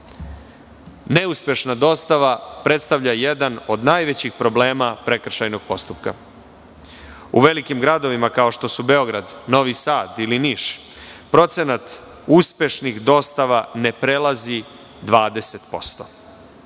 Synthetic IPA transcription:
ne̞uspje̞ʃnad̪o̞st̪aʋapɾe̞t̪st̪aʋʎajed̪ano̞d̪naːjʋe̞t͡ɕixpɾo̞ble̞ːmapɾe̞kr̩ʃajno̞ɡ̥̚po̞st̪upka | ṵʋe̞likimɡɾad̪o̞ʋimakao̞ʃt̪o̞sube̞o̞ɡɾad̪no̞ʋisaːd̪iliniʃ | pɾo̞t̪se̞nat̪ | uspje̞ʃnixd̪o̞st̪aʋane̞pɾe̞lazi | d̪ʋaːd̪e̞set̪po̞st̪o̞̥

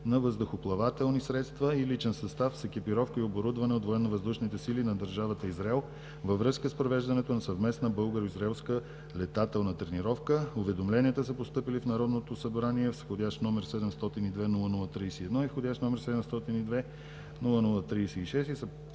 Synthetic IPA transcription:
nɐvəzd̪oxoplˠɐvat̪ɛlˠnisɾɛt̪st̪vəilit͡ʃɛnsɐst̪afsɛk̟ʲipiɾɔfkəioboɾud̪vɐnɛot̪voɛnnːɐvɐzd̪uʃnit̪ɛsilinɐd̪əɾʒavət̪əizɾɛlˠ | vəvɾɤskəspɾovɛʒd̪ɐnɛt̪onɐsɐvmɛsnəbɤlˠɡəɾoizɾɛlˠskə | lɛt̪at̪ɛlˠnət̪ɾɛniɾɔfkəovɛd̪omlɛniət̪əsəpost̪ɤpilifnɐɾɔd̪not̪osɐbɾaniɛfsxodʲaʃt̪nɔmɛɾsɛd̪ɛmst̪ɔt̪inid̪vɛnulˠənulˠət̪ɾisɛiɛd̪nɔifxod̪ʲaʃt̪nɔmɛɾsɛd̪ɛmst̪ɔt̪inid̪vɛ | nulˠənulˠət̪ɾijsɛiʃɛst̪isə

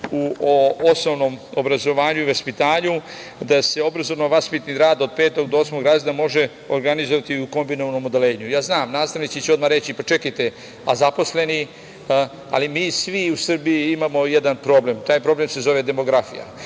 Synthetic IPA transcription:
uoosnoʋno̞mobɾazo̞ʋaːɲuiʋaspit̪aːɲu | d̪ase̞o̞bɾazoʋnoʋaspit̪niɾaːd̪o̞d̪̚peːt̪o̞ɡ̚d̪ooːsmoɡɾaznamo̞ʒe | oɾɡanizoʋat̪iuko̞mbinoʋano̞mod̪e̞leːɲujaːznaːmnaːst̪aʋnit͡ʃ̪it͡ɕeo̞d̪maɾet͡ɕipat͡ʃe̞kajt̪e | a̰zapo̞sle̞ni | a̰limiːsʋiusr̩bijiimamo̞jed̪anpɾo̞ːble̞mt̪aːjpɾo̞ble̞mse̞zo̞ʋe̞d̪e̞mo̞ɡɾafḭja̰

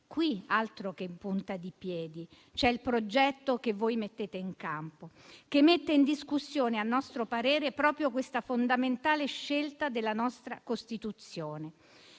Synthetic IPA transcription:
kwialt̪ɾokempunt̪ad̪ipjɛːd̪i | t͡ʃɛilpɾod͡ʒɛt̪ːokevːoːjmet̪ːeːt̪eiŋkampo | kemːet̪ːeind̪iskusːjoːnealnːɔst̪ɾopaɾɛːɾepɾɔːpɾjokwest̪afond̪ament̪aːleʃːelt̪ad̪elːanɔst̪ɾa̰kost̪it̪ut̪sːjoːne

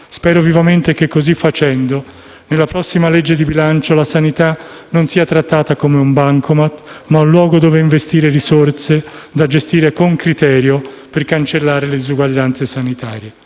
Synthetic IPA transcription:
spɛːɾovivament̪ek̟ekːozifːat͡ʃɛnd̪o | nelːapɾɔsːimaled͡ʒːed̪ibilant͡ʃolasanit̪anonsiːat̪ɾat̪ːaːt̪akomeumbaŋkomat̪maunlwɔːɡod̪oːveiɱvest̪iːɾerisort̪sed̪ad͡ʒest̪iːɾekoŋkɾit̪ɛːɾjo | perkant͡ʃelːaːɾeled̪izuɡwaʎːant̪sesanit̪aːɾje

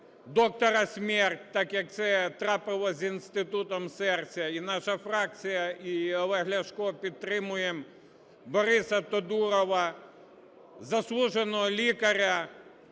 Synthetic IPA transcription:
d̪ɔk̚t̪ɔɾɐsʲmʲɛrtʲt̪ɑkjɐk̚t̪sɛt̪ɾɑpɪlˠɔzʲinst̪ɪt̪ut̪ɔmsɛrt͡sʲɐinɑʃɐfɾɑk̚t͡sʲijɐiʋˠɐɦlʲɐʃkɔpʲid̪̚t̪ːɾɪmʊjem | bɔɾɪsɐt̪ɔd̪uɾɔʋɐ | zɐslˠuʒenɔɦɔlʲikɐɾʲɐ

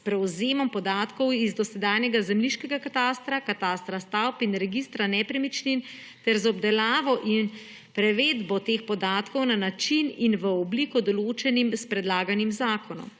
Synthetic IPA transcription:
spɾɛwzeːmɔmpɔd̪aːt̪kɔwizd̪ɔsɛd̪aːjnjɛɡazɛmliʃkɛɡakat̪aːst̪ɾakat̪aːst̪ɾast̪awpinɾɛɡist̪ɾanɛpɾɛmit͡ʃnin | t̪ɛɾzɔbd̪ɛlaːʋɔʔin | pɾɛʋeːd̪bɔt̪eːxpɔd̪aːt̪kɔwnanat͡ʃininʋəɔbliːkɔd̪ɔloːt͡ʃɛnimspɾɛd̪laːɡanimzaːkʰɔnɔ̰m

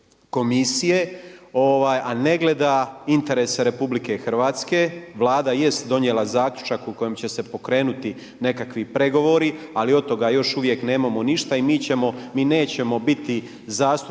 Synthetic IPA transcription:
ko̞misijeo̞ʋaːjʔane̞ɡle̞d̪aint̪e̞ɾe̞seɾe̞publike̞xr̩ʋaːt̪ske̞ʋlˠaːd̪aje̞st̪d̪o̞njelˠazaːkʎʲu̥t͡ʃakuko̞jemt͡ɕe̞se̞po̞kɾe̞ːnut̪i | ne̞kakʋipɾe̞ɡo̞ʋo̞ːɾialio̞t̪ːo̞ɡajo̞ʃuʋje̞kne̞ːmamo̞niʃt̪aimiːt͡ɕe̞mo̞miːne̞ːt͡ɕe̞mo̞bit̪i | zaːst̪u

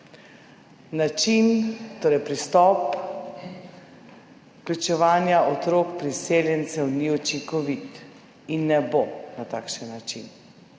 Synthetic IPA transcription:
nat͡ʃint̪oːɾɛjpɾist̪ɔːp | klʲut͡ʃɛʋaːnjaʔɔt̪ɾoːkpɾiseljɛnt̪sɛwniɔt͡ʃiŋkɔʋit̪ | inːɛbonat̪aːkʃənːat͡ʃḭn

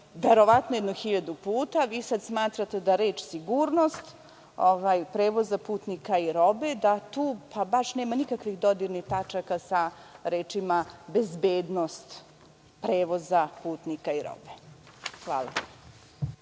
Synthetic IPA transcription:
ʋeɾo̞ʋat̪nojed̪nuxiʎad̪upuːt̪aʋiːsad̪smaːt̪ɾat̪ed̪aɾeːt͡ʃsiɡuːɾnost̪ | oʋajpɾeːʋo̞zapuːt̪nikaiɾo̞bed̪at̪uːpʰabaʂneːmanikakʋixd̪o̞d̪iɾnixt̪at͡ʃakasaɾeːt͡ʃimabezbeːd̪nost̪ | pɾeːʋo̞zapuːt̪nikaiɾo̰be | xʋa̰ːlˠa̰

